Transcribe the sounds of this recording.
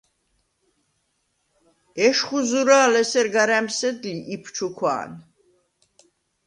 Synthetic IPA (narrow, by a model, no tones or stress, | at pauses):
ɛʃχuzuɾaːlɛsɛɾɡaɾæmsɛd̪liʔipʰt͡ʃʰukʰwa̰ːn